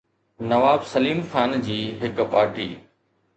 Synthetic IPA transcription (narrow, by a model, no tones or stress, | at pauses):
nɐʋaːbsɐliːmxaːnd͡ʑiːɦɪkpaːɾʈiː